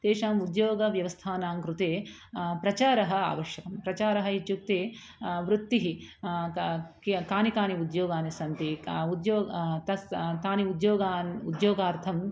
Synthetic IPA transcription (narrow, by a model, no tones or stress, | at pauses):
t̪eːʂaːmud̪joːɡɐʋjɐʋɐst̪ʰaːnaːŋkɾut̪eː | pɾɐt͡ʃaːɾɐɦɐ̆a̰ːʋɐʃjɐkɐmpɾɐt͡ʃaːɾɐɦɐit͡ʃjuk̚t̪eː | ʋɾut̪ːiɦi | kkaːnikaːniud̪joːɡaːnisɐnt̪iud̪joːt̪ɐst̪aːniud̪joːɡaːnud̪joːɡaːɾt̪ʰɐm